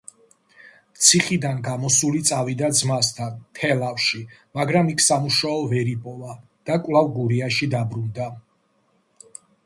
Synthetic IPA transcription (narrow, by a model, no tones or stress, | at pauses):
mt̪sʰiχid̪anɡamɔsulit̪sʼavid̪ad̪zmast̪ʰant̪ʰɛlafʃimaɡɾamikʰsamuʃaɔvɛɾipʼɔva | d̪̥akʼwlˠavɡuɾiaʃid̪abɾund̪a